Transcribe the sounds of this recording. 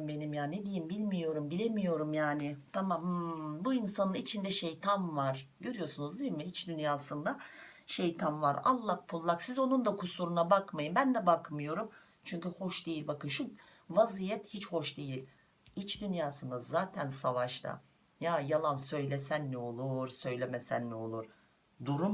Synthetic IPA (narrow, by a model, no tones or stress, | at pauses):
mbe̞nimjaːned̪ijimbilʲmijo̞ɾumbilʲe̞mijo̞ɾumjaːnɪt̪ʰamambuinsanɯnit͡ʃʰind̪ɛʃejt̪ʰamvaɾ̥ɟø̞ɾyjo̞sunuzd̪imɪit͡ʃd̪ynjaːsɯnd̪aʃe̞jt̪ʰanva̰ɾa̰lˠːahpʰulˠːaksizo̞nund̪akʰusuɾunabakmajɯmbænd̪ɛbakmɯjo̞ɾum | t͡ʃʰyɲcyho̞ʃd̪e̞jilʲbakɯnʃu | vazijɛt̪hit͡ʃho̞ʃd̪e̞jilʲ | it͡ʃd̪ynjaːsɯnd̪azaːt̪ʰænsavaʃt̪ʰa̰ | jaːjalˠansø̞jlʲesænːo̞lˠuɾsø̞jlʲemesæ̰nːɛo̞lˠuɾ̥ | d̪uɾum